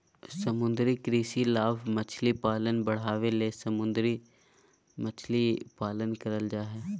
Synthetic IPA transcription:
səmʊ̃nd̪ɾikɾiːsilaːbmət͡ʃʰlipaːlənbəɽ̤aːʋelesəmʊ̃nd̪ɾi | mət͡ʃʰlipaːlənkəɾəld͡ʒaːɦɛː

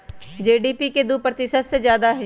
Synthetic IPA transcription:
d͡ʒeːɖiːpiked̪upɾət̪ɪʃət̪sezjaːd̪aɦɛ

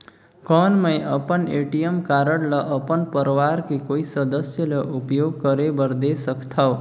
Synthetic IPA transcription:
kʌnmʌjʌpʌneʈijʌmkaɾʌɽlʌʔʌpʌnpʌɾwaɾkikoisʌd̪ʌsjʌlʌʔupjoɡ̚kʌɾebʌɾd̪esʌkʰt̪ʰʌw

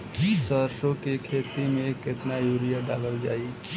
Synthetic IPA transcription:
d͡ʒisəɾsokekʰet̪imeket̪najuɾijəɖaləld͡ʒa̰i

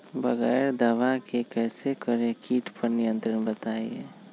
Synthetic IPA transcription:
bəɣɛɪɾd̪əʋakekɛːsekəɾekiːʈʰpəɾnɪjə̃nt̪ɾənbət̪aːḭeː

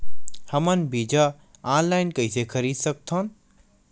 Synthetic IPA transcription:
hɐmənbiːd͡ʒa | ãːnlaːɪnkɐisekʰɐɾiːd̪sɐk̚t̪ʰoːn

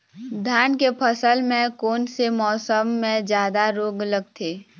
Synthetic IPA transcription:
d̪ʱjaːnkepʰəsəlmẽkoːnsemɔːsəmːẽd͡ʒjaːd̪aɾoːɡləɡ̚t̪ʰeː

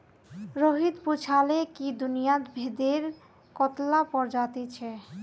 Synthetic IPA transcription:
ɾoɦid̪put͡ɕʰalekid̪unijad̪bʱed̪eɾ | kɔt̪lapɔɾd͡ʑat̪it͡ɕʰe

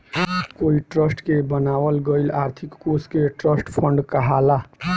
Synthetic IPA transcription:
koiʈɾəsʈkebənawəlɡəɪlaɾt̪ʰikːoskeʈɾəsʈpʰəɳɖkəɦala

